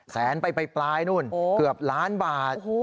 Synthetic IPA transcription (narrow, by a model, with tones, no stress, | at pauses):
sɛː˩˦npa˧jpa˧jplaː˧jnu˥˩no˧ɯ˨˩əp̚laː˦˥nbaː˨˩t̪̚ː